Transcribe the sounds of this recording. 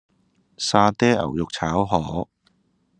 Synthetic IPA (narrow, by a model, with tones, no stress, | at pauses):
saː˧t̪ɛː˥ɐ̰˨˩wjʊ˨k̚t͡sʰaː˨˥wɦɔː˨˥